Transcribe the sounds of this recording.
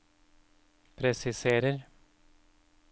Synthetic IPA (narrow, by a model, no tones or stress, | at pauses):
pʰɾɛsɪseːɾəɾ